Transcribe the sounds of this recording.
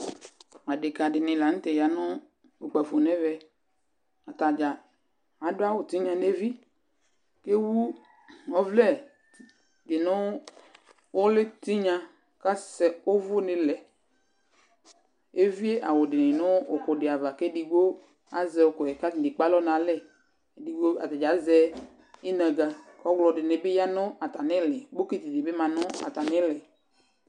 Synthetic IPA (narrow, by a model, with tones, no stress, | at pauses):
a˨dɪ˨ka˨ɖɪ˨nɪ̃˨la˨ŋ̩̃˦t̪e˨ja˨nɔ̃˦ | o˨k͡pɛ˨fo˨nɛ̃˦vɛ˨ | a˨t̪a˨d͡ʒa˨ | a˨do˦a˦wo˨t̪i˦ɲã˨ne˦vi˦ | ke˦wu˦ | ɔ˦vlɛ˦˨ | dɪ˨nʊ̃˦ | wo˦lɪ˦t̪i˦ɲã˦ | ka˦sɛ˨o˦vʊ˦nɪ̃˨lɛ˨ | e˦vi˦e˦ʔa˨wʊ˨dɪ˨nɪ˨nʊ˦ʊ˨kʊ˨dɪ˨a˨va˨ke˦di˨ɡ͡bo˦ | a˨˦zɛ˨o˨kɔ˨ɛ˨ka˦i˨dɪ˨k͡pa˦lɔ˦nã˨lɛ˦˨ | di˨ɡ͡bo˦a̰˨t̪a˨d͡ʒa˨˦zɛ˦ | ɪ˦nɛ̃˨ɡa˨kɔ˦ɡlɔ˨dɪ˨nɪ˨bɪ˦ja˦nʊ˦a˨t̪a˨nɪ˦lɛ˨ɡ͡bo˦ke˦t̪i˨dɪ˨bɪ˦mã˨nʊ˦a̰˨t̪a˨nɪ̃˦lɛ˨